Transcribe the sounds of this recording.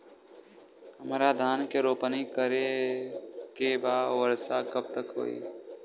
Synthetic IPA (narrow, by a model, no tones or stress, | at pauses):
həmɾad̪ʱaːnkeɾoːpənikəɾe | kebawəɾsakəb̚t̪əkɦo̰ːḭ